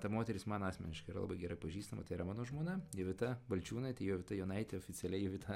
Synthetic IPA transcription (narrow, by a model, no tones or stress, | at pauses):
t̪ɐmoːt̪ʲɛɾʲɪsmɑːnɑːsʲmʲɛnʲɪʃkɐɪiɾɐlˠɐ̰bɐɪɡʲɛɾɐɪpɐʒʲiːst̪ɐmɐt̪ɐɪiɾɐmɑːnoːʒmoːnɐjɪʋʲɪt̪ɐbɐlʲt͡ʃʲuːnɐɪt̪ɐɪjoːʋʲɪt̪ɐjoːnɐɪt̪ʲɛoːfʲɪt͡s̪ʲɛlʲɛjɪʋʲɪt̪ʰɐ